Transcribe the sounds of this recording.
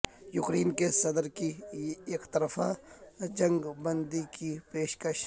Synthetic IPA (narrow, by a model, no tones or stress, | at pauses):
jʊkɾiːnkesɐd̪əɾkieːkt̪ɐɾfad͡ʒɐ̃ŋɡbɐnd̪ikipeːʃkəʃ